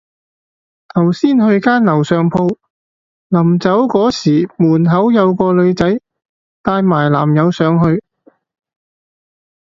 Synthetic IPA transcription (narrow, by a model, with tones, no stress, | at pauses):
t̪ʰɐ˨˩wsiː˥nhɵ˧ɥkaː˥nlɐ˨˩wsœː˨ŋpʰo˧w | lɐ˨˩mt͡sɐ˨˥wkɔː˨˥siː˨˩muː˨˩nɦɐ˨˥wjɐ˨˧wkɔː˧lɵ˨˧ɥt͡sɐ˨˥j | t̪aː˧jmaː˨˩jla̰ː˨˩mjɐ˨˧wsœː˨˧ŋhɵ˧ɥ